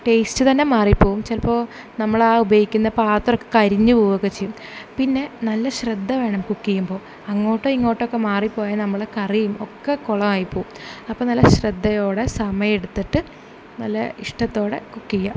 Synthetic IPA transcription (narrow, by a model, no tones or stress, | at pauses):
ʈe̞ːstɨt̪ɐnːe̞maːripːo̞ːɣumt͡ɕelpo̞ː | nɐmːɐɭaːubɐikʲːunːɐpaːt̪ːorokːekɐɾiɲːɨpoːʋokːet͡ɕejumpinːe̞nɐlːɐɕred̪ʱːɐʋe̞ːɳɐmkukːijumbo̞ː | ɐŋːo̞ːʈːɨiŋːo̞ːʈːokːemaːripːo̞ːjɐnɐmːɐɭekɐrijumokːekoɭɐmaːjipːoːɣumɐpːoːnɐlːɐɕred̪ːɐjo̞ːɽe̞sɐmɐjɐmeɽut̪ːiʈːɨ | nɐlːɐ̰iʂʈɐt̪ːo̞ːɽe̞̰kukːijːa̰